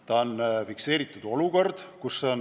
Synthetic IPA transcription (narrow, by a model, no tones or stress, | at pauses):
t̪ɑonfikse̞ːɾit̪ːˑud̪̥o̞luko̞rd̪̥kusːeon